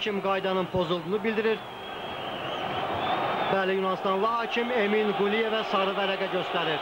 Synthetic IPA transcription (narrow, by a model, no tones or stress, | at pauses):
imɡɑjd̪ɑnɯnpʰo̞zulˠd̪unɯbild̪iɾiɾ | bæːlijunɑst̪ɑnlˠɑhɑːcʰime̞minɡulije̞væsɑɾɯvæɾæɡæɟøst̪æɾiɾ